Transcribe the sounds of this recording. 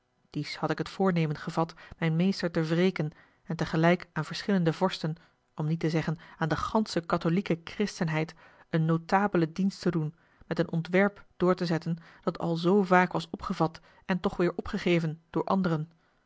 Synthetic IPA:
d̥ishɑtɪkɦətfʊːɹnejmənχəvɑtmɛjnmejstəɹtəvrejkən | ɛntəχəlɛjkaːnvəɹsχɪləndəvɔɹstən | ɔmnitəzɛχənaːndəχɑnsəkɑtolikəkrɪstənɦɛjt | ənːowtaːbələdinstədun | mɛtənʔɔntʋɛɹpd̥ʊːɹtəzɛtənd̥ɑtɑ̰lˠzowvaːkʋɑsɔpχəvɑt | ɛntɔχʋɪːɹʔɔpχəχejvənd̥ʊːɹʔɑ̰ndərən

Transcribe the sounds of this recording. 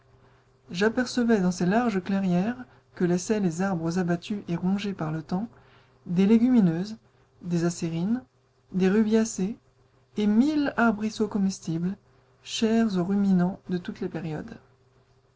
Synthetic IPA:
ʒapɛʁsəvɛd̪ɑ̃selaʁʒəklɛʁjɛʁ | kəlɛsɛlezaʁbʁəzabat̪yʔeʁɔ̃ʒepaʁlət̪ɑ̃ | d̪eleɡʲyminøːz | d̪ezaseʁin | d̪eʁybjaseː | milaʁbʁisokɔmist̪ibl | ʃɛʁzoʁyminɑ̃d̪ət̪ut̪lepɛʁjɔ̰d̪

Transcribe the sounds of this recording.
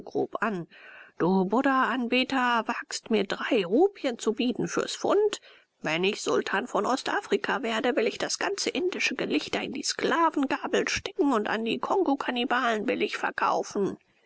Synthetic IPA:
ɡ̥ʁo̰ːpʔand̥uːbʊdɐʔanbiːtɐvaːkstmiːɐdʁaɪʁuːpjənt͡subiːtn̩fyːɐsfʊ̰nt | vɛnɪçz̥ʊltʰaːnfɔnʔɔstʔaːfʁ̥ikʰaveːɐdəvɪlɪçd̥asɡ̥ant͡səʔɪndɪʃəɡəlɪçtɐɪndiːsklaːvn̩ɡaːbl̩ʃtɛkŋ̩ʊnta̰ndiːkʰɔŋɡokʰanibaːlənvɪlɪçfɛɐkʰa̰ʊfn̩

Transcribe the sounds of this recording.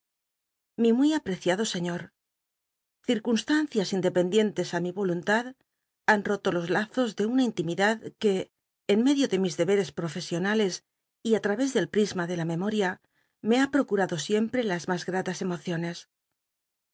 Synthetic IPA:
mimwuijapɾe̞θjaðo̞se̞ɲo̞ɾ | θiɾkunst̪anθjasind̪e̞pe̞nd̪je̞nt̪e̞samiβo̞lunt̪að | anro̞t̪o̞lo̞zlaθo̞zðe̞unaint̪imiðaðke̞ː | nme̞ðjoðe̞mizðe̞βe̞ɾe̞spɾo̞fe̞sjo̞nale̞s | iat̪ɾaβe̞zðe̞lpɾizmaðe̞lame̞mo̞ɾja | me̞apɾo̞kuɾaðo̞sje̞mpɾe̞lazmazɣɾat̪ase̞mo̞θjo̞ne̞s

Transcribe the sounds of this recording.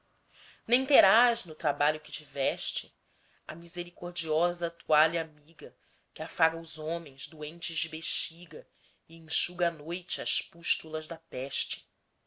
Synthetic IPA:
nẽj̃t̪eɾaʒnʊt̪ɾabaʎʊkɪ̥t͡ʃivɛʃt͡ʃɪ | ɐ̰mizeɾikoɾd͡ʒiɔzɐt̪uaʎamiɡɐ | kɪafaɡɐʊzõmẽj̃zd̪uẽnt͡ʃɪzd͡ʒɪbeʃt͡ʃiɡɐ | ɪĩŋʃuɡɐːnojt͡ʃɪɐʃpuʃt̪ulɐzd̪ɐpɛʃt͡ʃɪ̥

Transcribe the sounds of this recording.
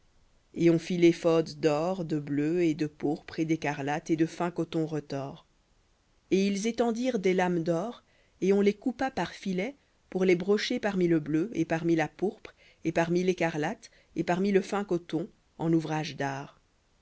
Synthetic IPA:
eɔ̃filefɔd̪d̪ɔʁd̪əbløed̪əpuʁpχed̪ekaʁlat̪ed̪əfɛ̃kɔt̪ɔ̃ʁət̪ɔːʁ | eilzet̪ɑ̃d̪iʁd̪elamd̪ɔːʁ | eɔ̃lekupapaʁfilɛ | puʁlebʁɔʃepaʁmiləbløepaʁmilapuʁpχ | epaʁmilekaʁlat̪ | epaʁmiləfɛ̃kɔt̪ɔ̃ | ɑ̰̃nuvʁaʒd̪aːʁ

